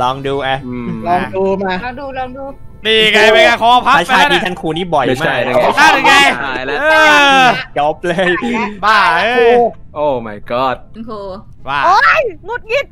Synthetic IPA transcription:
lɔː˧ŋduː˧ʔa˧˩˧lɔː˧ŋduː˧maː˧˩˧duː˧lɔː˧ŋduː˧ | niː˧˩ka˧˩jma˧˥˦ka˧˩kʰɔː˧˦pʰa˦a˧˥t͡ɕaː˧niː˦˥˩t͡ɕʰa˦˥nkʰuː˧niː˥˩bɔ˨˩jmaː˥˧˩a˦˥˩a˧ja˧˩lːt͡ɕɔ˦˥p̚lɤː˧jbaː˧˩˧uː˧˩ʔoː˧˩ma˨˩jkɔː˧˩t̪̚kʰuː˧˩ | waː˧˩oː˦˥jŋo˧˥t̪̚ji˧˥˩t̪̚

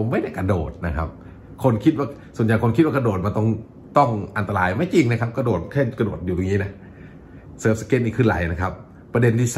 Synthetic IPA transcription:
o˧˦mːa˥˩jda˥˩jka˧doː˨˩t̪̚na˦˧kʰa˦p̚ | kʰo˧nkʰi˦t̪̚waː˧˩su˨˩ənja˨˩jkʰo˧nkʰi˦t̪̚waː˧˩ka˧doː˨˩t̪̚ma˧nt̪ɔ˥˩ŋ | t̪ɔ˥˩ŋʔa˧nt̪a˧ɾaː˧jmaː˧˥˩jt͡ɕi˧ŋna˦˥kʰa˦˥p̚ka˧doː˨˩t̪̚kʰɛː˥˩ka˧doː˨˩t̪̚juː˨˩o˧ŋiː˦˥na˦˥ | sɤː˦˩p̚sa˧ke˦˥t̪̚niː˧˩kʰɯː˧˩nla̰˨˦jna˦˧˩kʰa˦˥p̚ː | ɾa˧de˧nt̪ʰiː˧˩s

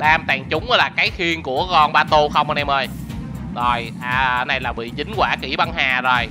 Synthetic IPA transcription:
ɗaː˧mt̪aː˨˩ŋt͡ɕʊ˨˦ŋ͡mʔə˨˦laː˨˩kaː˨˦jxi˧ənku˧˩əkɔ˧nɓaː˧t̪u˧xə˧wŋ͡mʔɔ˧nʔɛ˧mʔəː˧j | zo˨˩j | aː˨˩˧na˧jlaː˨˩ɓḭ˧˨t͡ɕï˨˦ŋ̟kwaː˧˩ki˧˩ɓa˧nhaː˨˩zo˨˩j

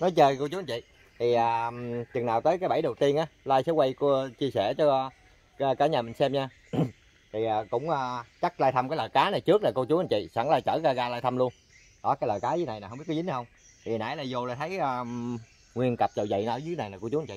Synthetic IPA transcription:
nɔ˨˦jt͡ɕəː˧ko˧t͡ɕu˨˦˨t͡ɕḭ˧˨ | t̪ʰi˨˩ʔaː˨˩t͡ɕɨ˨˩ŋnaː˨˩wt̪əː˨˦jkaː˨˦jɓa˧˩jɗo˨˩wt̪i˧ənʔaː˨˦laː˧jsɛ̰˧˦wa˧jkt͡ɕi˧əsɛ̰˧˩t͡ɕɔ˧˦˧ | əː˧kaː˧˩ɲaː˨˩mï˨˩ŋ̟sɛ˧mɲaː˧ | t̪ʰi˨˩ʔaː˨˩kʊ̰˧˥ŋ͡mʔəː˨˩t͡ɕa˦˥k̚laː˧jt̪ʰə˧mkaː˨˦jləː˨˩jkaː˨˦na˨˩jt͡ɕɨ˦˥ək̚laː˨˩ko˧t͡ɕu˨˦ʔa˨˩nt͡ɕḭ˧˨sa˧˩ŋlaː˧jt͡ɕəː˧˩ɣaː˧ɣaː˧laː˧jt̪ʰə˧mlu˧ən | ɗɔ˨˦kaː˨˦jləː˨˩jkaː˨˦zɨ˧˦na˨˩n˨˩hə˧ŋ͡mmi˦˥t̚ːï˨˦nː˨˩hə˧wŋ͡m | t̪ʰi˨˩˨naː˧˨˦jlaː˧˩jzo˧laː˨˩jt̪ʰə˨˦jəː˧ | ŋwi˧ənkə˨˩p̚t͡ɕə˨˩zə̰˧˨jn˧˩ɨ˧˦na˨˩jlaː˨˩ku˧t͡ɕu˨˦˨t͡ɕḭ˧˨

